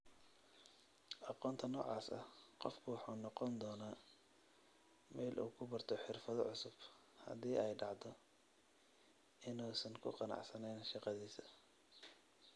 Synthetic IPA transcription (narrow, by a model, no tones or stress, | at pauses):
ʔɑqɔːnt̪ʰɐnɔːʕɑ̰ːsɐhqɔfkʰʊwɑħuːnɔqɔnd̪ɔːnaː | mɛːlʔṵːkʰʊbɐrt̪ʰɔħɪrfɐðɔʕʊsʊb̥ | hɐ̰ðiːɛjɖɑʕd̪ɔ | ʔɪnuːsɐŋkʰʊ̰qɑnɑ̰ʕsɐnɛjnʃɑqɑðiːsɐ